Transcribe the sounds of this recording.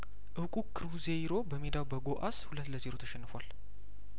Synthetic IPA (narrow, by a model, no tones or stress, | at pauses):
ʔɨwkʼukʰɨɾuzejɾo̞bəmed̪awbəɡoʔashulət̪ːləzeɾo̞t̪ʰəʃɛnːɨfwal